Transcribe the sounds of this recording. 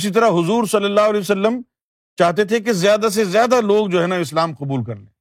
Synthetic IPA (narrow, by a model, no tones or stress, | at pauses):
sit̪̬ɐɾaɦʊzuːɾsɐlːəlːaːɦʊɐlɛːəsɐlːəm | t͡ʃaːɦt̪et̪ʰek̬ezjaːd̪as̬ezjaːd̪aloːɡd͡ʒoːɦɛːnaɪslaːmqʊbuːlkɐɾlḛ̃